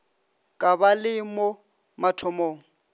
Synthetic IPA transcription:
kʼabalɪmo | matʰɔmoːŋ̩

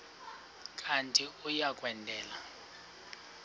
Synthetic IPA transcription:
kʼantʼiujakʼwɛndʱɛːla

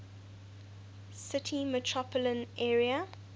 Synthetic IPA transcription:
sɪtʰimətʰɹɔpʰələ̃nɛːɹiə

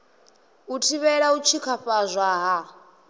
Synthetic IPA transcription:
utʰiβɛɺaut͡ʃʰikʰaɸazʷaɦa

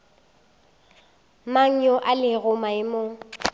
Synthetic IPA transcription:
maŋ̩ɲɔʔalɪɣʊmaɪmoː

